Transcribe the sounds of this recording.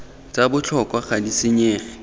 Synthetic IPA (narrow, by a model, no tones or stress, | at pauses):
t͡sʼabʊt͡ɬʰɔkʼwaχadisɪɲeːχɛ